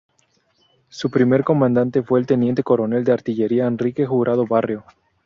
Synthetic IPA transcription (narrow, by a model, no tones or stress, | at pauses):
supɾime̞ɾko̞mãnd̪ant̪e̞fweːlt̪e̞nje̞nt̪e̞ko̞ɾo̞ne̞ld̪eaɾt̪iʝe̞ɾiaenrike̞xuɣɾʔað̞oβarjo̞